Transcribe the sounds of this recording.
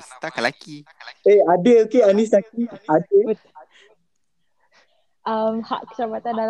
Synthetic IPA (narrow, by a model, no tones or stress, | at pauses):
t̪akalakieadəokeanĩs̬lak̚iadə | ʔamha̰ʔkə̥t͡ʃabat̪andal